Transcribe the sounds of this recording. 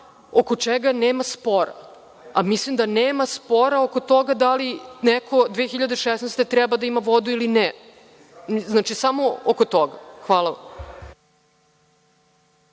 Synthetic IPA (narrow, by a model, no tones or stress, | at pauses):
okot͡ʂɛɡaneːmaspo̞ɾa̰ | amislimd̪aneːmaspo̞ɾaokot̪oɡad̪alinɛkʰo̞d̪ʋeːxiʎad̪eʃesnast̪et̪ɾɛbad̪aimaʋo̞d̪uiline | znaːt͡ʃisamookot̪oɡaxʋaːlˠaʋa̰m